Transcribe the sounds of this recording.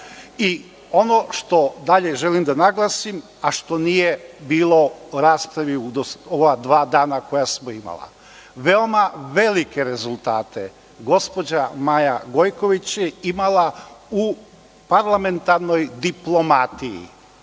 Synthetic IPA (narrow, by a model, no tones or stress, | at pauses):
i | o̞no̞ʃt̪o̞d̪aʎe̞ʒe̞limd̪anaɡlˠasim | aʃt̪o̞nijebiːlˠo̞ɾaːspɾaʋiud̪osoad̪ʋaːd̪aːnako̞jasmoima̰lˠa̰ | ʋe̞o̞maʋe̞like̞ɾe̞zulˠt̪aːt̪e | ɡo̞spo̞d͡ʑamajaɡo̞jko̞ʋit͡ɕjeimalau | paɾlˠame̞nt̪aɾno̞jd̪iplˠo̞mat̪ijḭ